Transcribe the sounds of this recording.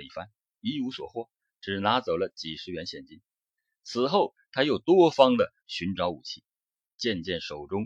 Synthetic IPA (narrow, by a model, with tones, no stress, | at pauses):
i˥˩fa˥n | i˧˥u˧˥swɔ̰˨˩xwɔ˥˩ | ʈ͡ʂɻ̩˨˩na˧˥t͡so˨˩ʊlə˦t͡ɕi˨˩ʂɻ̩˧˥ɥɛ˧˥nɕjɛ˨˩nt͡ɕi˥n | t͡sʰɹ̩˨˩xo˥˩ʊ | t̪ʰa˥jo˨˩ʊt̪wɔ˥fɑ˥ŋd̪ə˨ | ɕy˧˥nʈ͡ʂɑ˧˥ʊu˨˩t͡ɕʰi˥˩ | t͡ɕjɛ˥˧nt͡ɕjɛ˥˩nʂo˨˩ʊʈ͡ʂʊ˥ŋ